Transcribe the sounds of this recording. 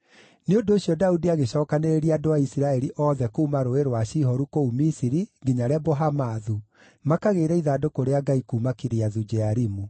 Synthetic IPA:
neondoːɕjɔdaudiaɣeɕɔːkaneɾeɾiadowaisiɾaɛɾiʔɔːðɛkouːmaɾoeɾowaɕiɦɔɾukoumisiɾiŋɡiɲaɾɛboɦamaðu | makaɣeːɾɛiðaːdokoɾeaɡaikuːmakiɾeaðud͡ʒɛaɾimu

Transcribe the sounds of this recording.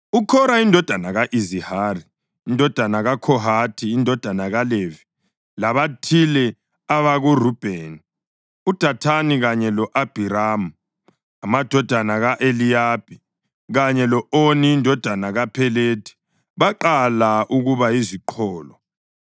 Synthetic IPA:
ukʰɔɾaindʱɔd̥ʱanaɣaʔizihaːriː | ndʱɔd̥ʱanaɣakʰɔɦatʰiːndʱɔd̥ʱanaɣalevi̥ | laβatʰilɛ | aβaɣurub̥ʱeːni | ud̥ʱatʰaniɣaɲɛlɔʔab̥ʱiɾaːmu | amad̥ʱɔd̥ʱanaɣaʔelijab̥i | ɣaɲɛlɔʔoniːndʱɔd̥ʱanaɣapʰɛleːtʰi̥ | βaǃalaʔuɣuβajiziǃʰɔːlɔ

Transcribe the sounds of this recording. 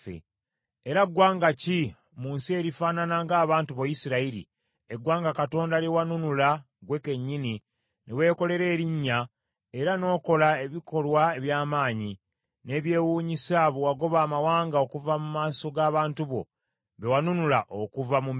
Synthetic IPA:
ḛ | eɾaɡwaːŋɡaci | muːnsie̞ɾifaːnanaŋɡaːβaːntuβojisiɾaiɾḭ | eɡwaːŋɡakato̞ːndalewanunula | ɡwe̞ke̞ɲːini | nʔewe̞ːko̞le̞ɾe̞ːɾiɲːa | eɾano̞ːko̞lae̞βiko̞lwae̞βjaːmaːɲi | ne̞ːβje̞ːwuːɲisaβowaɡo̞βaːmawaːŋɡaokuvamumaːso̞ɡaːβaːntuβo̞̰ | βewanunulaʔokuvamum

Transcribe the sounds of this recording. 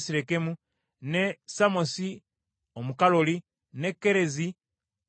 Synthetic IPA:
siɾekemu | nesamosi | omukaloli | nekːeɾe̞zi

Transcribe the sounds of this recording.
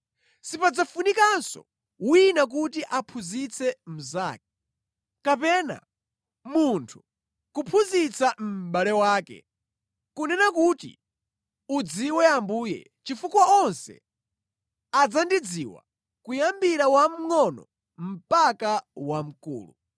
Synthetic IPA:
sipad͡zafunikansɔ̰ | winak̬utiʔapʰuzit͡sʰɛm̩za̰ːk̚ɛ | kapɛna̰ | muntʰu̥ | kupʰuzit͡sʰam̩ɓalɛwaːkɛ̰ | kunɛnakutḭ | ud͡ziwɛambuːjɛ̰ | t͡ʃifukwaɔnsɛ̰ | ad͡zandid͡ziwa̰ | kujambiɾawam̩ŋɔnɔ | m̩pakawam̩kṵːlṵ

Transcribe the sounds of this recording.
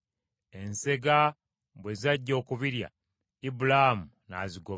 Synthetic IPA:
e̞nse̞ɡa | bwezaɟːo̞ːkuβiɾja̰ | ibulamu | na̰ziɡo

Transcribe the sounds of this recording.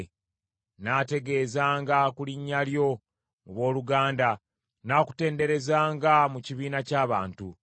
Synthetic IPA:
naːte̞ɡe̞ːzaːŋɡakuliɲːaljo̞ | muβo̞ːluɡaːnda | naːku̥te̞ːnde̞ɾe̞zaːŋɡamuciβiːnacaːβaːntu

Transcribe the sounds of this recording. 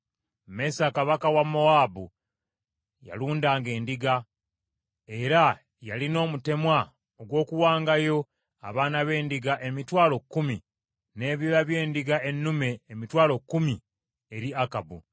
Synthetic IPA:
me̞saːkaβakawamo̞aːbu | ja̰luːndaːŋɡe̞ːndiɡa | e̞ɾa | jalino̞ːmute̞mwa | oɡwo̞ːkuwaːŋɡajo̞ | a̰βaːnaβe̞ːndiɡaʔe̞mitwaːlokːumi | ne̞ːβiɾaβje̞ːndiɡae̞nːume̞ːmitwaːlo̞kːumi | eɾiakabṵ

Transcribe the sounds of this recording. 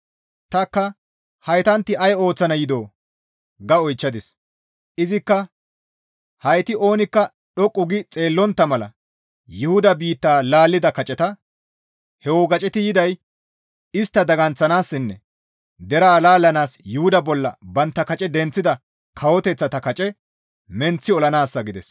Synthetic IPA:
t̪ɐkːɐ | hɐjt̪ɐnt̪ːɪɐjo̞ːt͡sːɐnɐjɪd̪o̞ː | ɡɐɔjt͡ʃːɐd̪ɪs | ʔɪzɪkːɐ | hɐjt̪ɪʔo̞ːnɪkːɐ | ɗɔkʼːʊɡɪt͡sʼe̞ːlːɔnt̪ːɐmɐlɐ̰ | jʊhʊd̪ɐbiːt̪ːaːlaːlːɪd̪ɐkɐt͡ʃʼɛt̪ɐ | hɛwɔɡɐt͡ʃʼɛt̪ɪjɪd̪ɐj | ɪst̪ːɐd̪ɐɡɐnt͡sːɐnaːsːɪnːɛ | d̪ɛɾɐːlaːlːɐnaːsjʊhʊd̪ɐbɔlːɐ̰bɐnt̪ːɐkɐt͡ʃʼɛd̪ɛnt͡sːɪd̪ɐ | kʰɐwɔt̪ɛt͡sːɐt̪ɐkɐt͡ʃʼɛ | mɛnt͡sːɪɔlɐnaːsːɐɡɪd̪ɛ̰s

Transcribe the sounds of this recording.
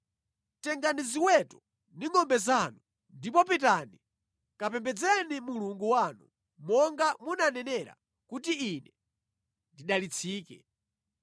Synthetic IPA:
tɛŋɡaniziwɛtɔ | niŋɔmbɛzanu | ndipɔpitani | kapɛmbɛd͡zɛnimuluŋɡuwanṵ | mɔŋɡamunanɛnɛɾa̰ | kutiːnɛ | ndiɗalit͡sʰiːkɛ

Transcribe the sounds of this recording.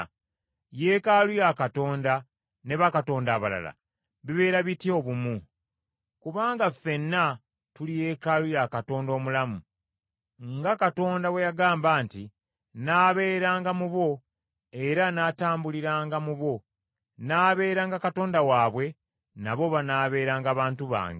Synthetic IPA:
je̞ːkalujakato̞ːnda | ne̞βakato̞ːndaːβala̰la̰ | βiβe̞ːɾaβitjo̞βumu | kuβaːŋɡafe̞nːa | tulije̞kalujakato̞ːndo̞ːmulamu | ŋɡakato̞ːndawe̞jaɡaːmbaːnti | naːβe̞ːɾaːŋɡamuβo̞ | e̞ɾanaːtaːmbuliɾaːŋɡamuβo̞ | naːβe̞ːɾaːŋɡakato̞ːndawaːβwe̞ | naβo̞βanaːβe̞ːɾaːŋɡaːβaːntuβa̰ːŋɡe

